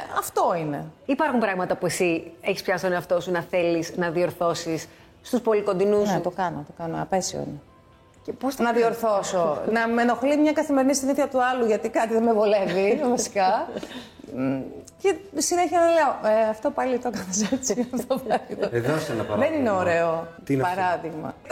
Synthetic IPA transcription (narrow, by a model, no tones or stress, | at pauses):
ɐft̪o̞ine̞̰ipɐɾxumpɾɐɣmɐt̪ɐpuesieçispçɐst̪oneɐft̪o̞sunɐθe̞liznɐðio̞ɾθo̞sis | st̪uspo̞likond̪inuset̪okɐno̰t̪okɐnoɐpe̞sio̰ḭne | ceposnɐðio̞ɾθo̞sonɐmeno̞xlimɲɐkɐθime̞ɾinist̪iniθçɐt̪uɐluʝɐt̪ikɐt̪iðemevole̞vivɐsi̥kɐ | ce̞sineçiɐnɐleoʔeɐft̪opɐlit̪okɐθɐsɐsiɣɐft̪opɐlit̪oðosenɐɐðenineo̞ɾe̞ot̪pɐɾɐðiɣmɐ̰